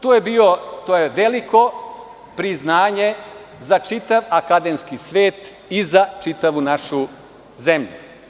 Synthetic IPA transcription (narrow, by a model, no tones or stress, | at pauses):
t̪oːjebiːot̪oːjeʋe̞liko̞ | pɾiznaːɲe | zat͡ʃit̪aʋakad̪emskisʋe̞ːt̪ | izat͡ʃit̪aʋunaʃu | ze̞mʎu